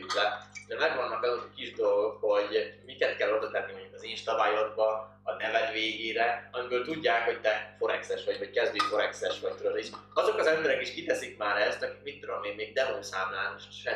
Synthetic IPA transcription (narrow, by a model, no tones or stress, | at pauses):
ut̪lɛd̪ɛmɛɡvɒnːɒkɒzok̪kiʒd̪o̞lɡo̞kho̞ɟmikɛt̪kɛlːod̪ɒt̪ɛnːimoɲɟukɒzinʃt̪ɒbaːjod̪̚bɒ | ɒt̪ɛvɛt̪veːɡeːɾɛɒmibøːlt̪uɟːaːkho̞ct̪ɛfo̞ɾɛksɛʃʋɒɟockɛzd̪øːfo̞ɾɛksɛʃʋɒc̚t̪oɾod̪iʃɒzo̞kɒzɛmbɛɾɛkiʃkit̪ɛsikmaːɾɛst̪ɒkikmit̪ːud̪o̞meːnmeːɡ̚d̪ɛvoːsaːmlaːnoʃʃɛ